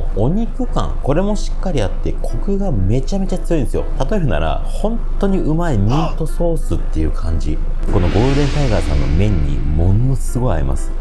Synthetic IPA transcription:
o̞ɲ̟ikɯ̟kã̰ŋko̞ɾe̞mo̞ɕi̥kːaɾʲiat̪ːe̞kʰo̞kɯ̟ɡame̞t͡ɕame̞t͡ɕat͡sɨjo̞ĩnd̪esjo̞̰t̪at̪o̞eɾɯ̟na̰ɾa̰ | hõ̞nt̪o̞ɲ̟iɯ̟maimʲĩnt̪o̞so̞ːsɨt̪ːe̞jɯ̟̰kʰãɲ̟d͡ʑḭ | ko̞no̞ɡo̞ːd̪ẽ̞ŋt̪aiɡasã̰nːo̞̰mẽ̞ɲ̟ːḭmo̞no̞sɨɡo̞ia̰ɾḭma̰sɨ̥

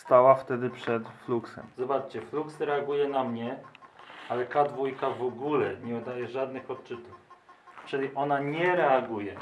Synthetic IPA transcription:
st̪awaft̪ɛd̪ɘpʂɛt̪fluksɛ̰mzɔbat͡ʂt͡ɕɛfluksɾɛaɡujɛnamɲɛ | alɛkad̪vujkavɔɡulɛɲɛud̪ajɛʐad̪nɘxɔt̪̚t͡ʂɘt̪uft͡ʂɘlʲiʔɔnaɲɛɾɛaɡujɛ

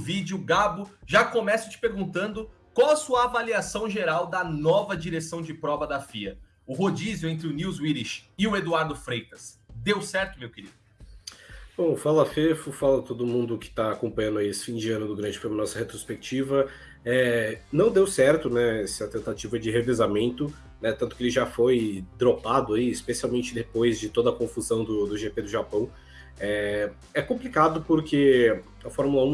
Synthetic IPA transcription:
vid͡ʒjʊɡabʊʒakomɛsʊ̥t͡ʃɪ̥peɾɡũnt̪ɐ̃nd̪ʊ | kãw̃ɛsuɐːvaliasɐ̃w̃ʒeɾawd̪ɐnɔvɐd͡ʒiɾesɐ̃w̃d͡ʒɪpɾɔbɐd̪ɐfiɐ | ʊɦod͡ʒizjwẽnt̪ɾɪʊniwzwiɾiʃɪʊed̪uaɾd̪ʊfɾejt̪ɐs | d̪ewsɛɾt̪ʊmewkeɾid̪ʊʊ | b̥õw̃falɐfefʊfalɐt̪od̪ʊmũnd̪ʊkɪ̥t̪aːkõmpɐ̃ɲ̃ɐ̃nd̪aiesɪ̥fĩd͡ʒɪɐ̃nʊd̪ʊɡɾɐ̃ʒɪ̥fojmɐnɔsɐhet̪ɾospek̚t͡ʃivɐ | ɛnɐ̃w̃d̪ewsɛɾt̪ʊnɛɛsɪɐt̪ẽnt̪at͡ʃivɐd͡ʒɪɦevezamẽnt̪ʊ | nɛt̪ɐ̃nt̪ʊkɪelɪʒafojd̪ɾopad̪ʊaiɪspesiawmẽnt͡ʃɪd̪epojzd͡ʒɪt̪od̪ɐkõfuzɐ̃w̃d̪ʊd̪ʊʒeped̪ʊʒapɐ̃w̃ | ɛ | ɛkõmplikad̪ʊpʊɾkʰe | ɐfɔɾmulɐũ

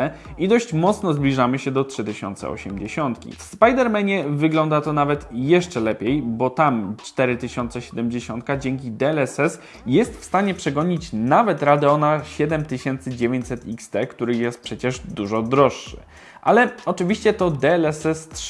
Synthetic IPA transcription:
ɛid̪ɔɕt͡ɕmɔt̪snɔzblʲiʐamɘɕɛd̪ɔtʂɘt̪ɘɕɔ̰nt̪sɛ̰ɔ̰ɕɛmd͡ʑeɕɔnt̪kʲḭfspajd̪ɛɾmɛɲɛvɘɡlɔnd̪at̪ɔnavɛt̪jɛʂt͡ʂɛlɛpʲjejbɔt̪amt͡ʂt̪ɛɾɘt̪ɘɕɔnt̪sɛɕɛd̪ɛmd͡ʑeɕɔnt̪̚kad͡ʑɛŋkʲid̪ɛɛlɛsɛs | jɛst̪fst̪aɲɛpʂɛɡɔɲit͡ɕnavɛt̪ɾad̪ɛɔnaɕɛd̪ɛmt̪ɘɕɛnt̪sɘd͡ʑevʲjeɲt͡ɕʲsɛt̪ikst̪ɛkt̪uɾɘjɛst̪̚pʂɛt͡ɕɛʐd̪uʐɔd̪ɾɔʂːɘ̰ | ʔa̰lɛɔt͡ʂɘvʲiɕt͡ɕɛt̪ɔd̪ɛɛlɛsɛst̪

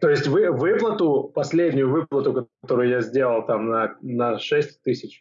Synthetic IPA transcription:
t̪o̞ɪsʲtʲvɨvɨplˠət̪ʊpɐsʲlʲedʲnʲʊjʊvɨplˠət̪ʊkɐt̪o̞ɾʊjʊjazʲdʲe̞lˠəlˠt̪amnɐnɐʂɛsʲtʲt̪ɨsʲɪt͡ɕ

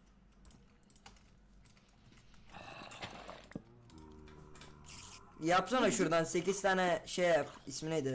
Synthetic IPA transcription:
japsonaʃuɾd̪anse̞ciz̥t̪ʰaːnɛʃejapismined̪ɪ

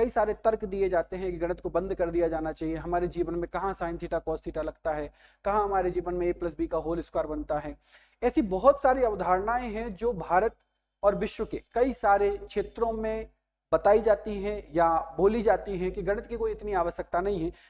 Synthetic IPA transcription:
kɐisaːɾet̪ɐɾkd̪ied͡ʒaːt̪eɦɛ̃eːkɡɐɽ̃ət̪kobɐ̃nd̪kɐɾd̪ijad͡ʒaːnat͡ʃaːɦieɦɐmaːɾed͡ʒiːʋənmẽkɐɦãsaːɪ̃nt̪ʰiːʈakɔːst̪ʰiːʈalɐɡ̚t̪aɦɛː | kɐɦãɦɐmaːɾed͡ʒiːʋənmẽːplɐs̬biːkaɦoːlɪskaːɾbɐnt̪aɦɛː | ɛːsibɔɦʊt̪saːɾeɐʋd̪ʱaːɾnaːẽɦɛ̃d͡ʒoːbʱaːɾət̪ | ɔːɾʋɪʃwəkekɐisaːɾekʃeːt̪ɾõmẽ | bɐt̪aːid͡ʒaːt̪iɦɛ̃jaboːlid͡ʒaːt̪iɦɛ̃kiɡɐɽ̃ət̪kikoːiɪt̪niaːʋəʃjək̚t̪anɐɦĩɦɛ̃ː

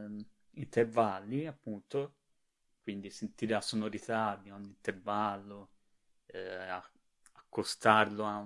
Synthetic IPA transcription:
int̪ervalːiapːunt̪o | kwind̪isent̪iːɾelasonoɾit̪ad̪ioɲːint̪ervalːo | a | akːost̪arloa

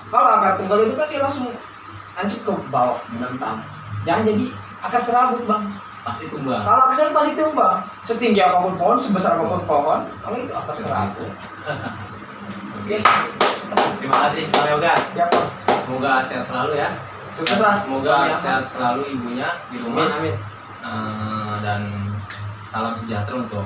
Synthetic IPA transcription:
kaloakart̪uŋɡalit̪̬upailaŋsʊŋ | aɲt͡ʃəp̚kəbawɔʔənənt̪aŋ | d͡ʒaŋand͡ʒadi | akarsəɾabʊt̪̚baŋ | masit̪umbakaloakaseat̚masit̪umba | sət̪iŋɡiapapʊnpɔɦɔnsəbəsarpapɔnpoɦɔnkaloit̪uakarsəɾa̰sə | oke | ɾibakasɪalaoɡasiapasəmoɡaseat̪səlaluja | sukaslasəmoɡaseat̪̚səlaluibuɲadilumanamɛ | ədan | salamsəd͡ʒat̪ɾaunt̪ʊk

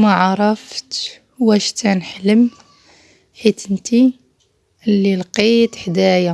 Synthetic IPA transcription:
maʕɑɾˤɑft̪ | wæʃt̪ʰænħələm | ħit̪ənt̪i | lːilqit̪ħd̪æja

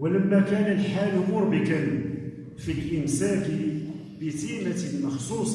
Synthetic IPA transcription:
wələmːækænəlħalumʊɾbəkən | filʔənsæk | bit̪imat̪lmɑxsˤusˤ

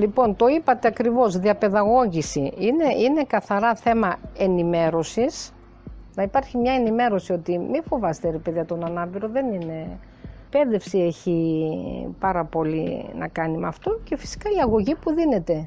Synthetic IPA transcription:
lipo̞nt̪o̞ipɐt̪eɐkɾivo̞zðiɐpe̞ðɐɣo̞ʝisiine̞ine̞kɐθɐɾɐθe̞mɐe̞nime̞ɾo̞sis | nɐipɐɾçimɲɐenime̞ɾo̞sio̞t̪imifo̞vɐst̪eɾepeðiɐt̪o̞nɐnɐpiɾo̞ðe̞nine̞ | pe̞ðe̞fsieçi | pɐɾɐpo̞lḭnɐ̰kɐnimɐft̪o̞ce̞fi̥si̥kɐiɐɣo̞ʝipuðine̞t̪e̞

